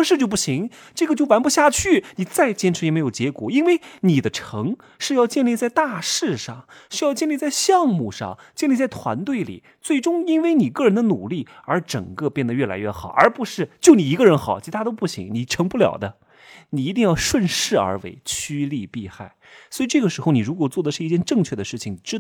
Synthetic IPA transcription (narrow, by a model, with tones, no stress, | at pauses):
ʂɻ̩˥˧t͡ɕo˧ʊp̬u˥˩ɕi˧˥ŋ | ʈ͡ʂɤ˥˩ɡə˩t͡ɕjo˥˩ʊwa˧˥npu˥˧ɕja˥˧t͡ɕʰy˥˩ni˨˩t͡sa˥˩ɪt͡ɕjɛ˥nʈ͡ʂʰɻ̩˧˥jɛ˨˩me˧˥ɪjo˨˩t͡ɕjɛ˧˥kwɔ̰˨˩i˥nwe˥˩ɪni˨˩d̪ə˦ʈ͡ʂʰɤ˧˥ŋ | ʂɻ̩˥˧jɑ˥˧ʊt͡ɕjɛ˥˧nli˥˧t͡sa˥˧ɪt̪a˥˧ʂɻ̩˥˧ʂɑ˥˩ŋʂy˥jɑ˥˧ʊt͡ɕjɛ˥˧nli˥˧t͡sa˥˧ɪɕjɑ˥˧ŋmu˥˧ʂɑ̰˥˩ŋt͡ɕjɛ˥˧nli˥˧t͡sa˥˩ɪt̪ʰwa̰˧˥nt̪we˥˩ɪlḭ˨˩ | t͡swe˥˩ɪʈ͡ʂʊ˥ŋi˥nwe˥˧˩ɪni˨˩kɤ˥˩ɻə˧˥nd̪ə˧nu˨˩li˥˩ə˞˧˥ʈ͡ʂɤ̰˨˩ŋkɤ˥˧pjɛ˥˩nd̪ə˩ɥɛ˥˩la̰˧˥ɪɥɛ˥˩xɑ˨˩˦ʊə̰˞˧˥pu˧˥ʂɻ̩˥˩t͡ɕjo˥˩ʊni˨˩i˧˥ɡə˧ɻə˧˥nxɑ˨˩˦ʊt͡ɕʰi˧˥t̪ʰa˥t̪o˥ʊpu˥˩ɕḭ˧˥ŋni˨˩ʈ͡ʂʰɤ˧˥ŋpu˥˩ljɑ̰˨˩ʊd̪ə˦ | ni˨˩˧t̪̬i˥˧ŋjɑ˥˧ʊʂwə˥˧nʂɻ̩˥˩ə̰˞˧˥wḛ˧˥ɪt͡ɕʰy˥li˥˧pi˥˧xa˥˩ɪswi˧ʈ͡ʂɤ˥˩ɡə˩ʂɻ̩˧˥xo˧ʊni˨˩ɻu˧˥kwɔ˨˩t͡swɔ˥˩d̪ə˩ʂɻ̩˥˧i˥˧˩t͡ɕjɛ˥˧nʈ͡ʂɤ˥˧ŋt͡ɕʰɥɛ˥˩d̪ə˩ʂɻ̩˥˩t͡ɕʰi˩ŋni˨˩ʈ͡ʂɻ̩˥